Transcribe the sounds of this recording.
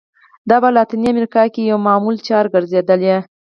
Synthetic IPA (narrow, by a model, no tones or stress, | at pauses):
d̪ɑbalɑt̪iniamɾikɑkejawmɑmult͡ʃɑɾɡəɾzed̪əlje